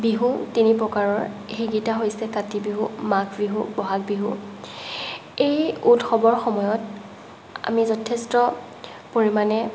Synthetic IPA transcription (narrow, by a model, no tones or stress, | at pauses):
biɦutinipɹɔkaɹɔɹ | xiɡitaɦojsɛkatibiɦumakʰbiɦubɔɦak̚biɦṵ | ejutxɔbɔɹxɔmɔjɔt | a̰mizɔtʰɛstɔ | poɹimanɛ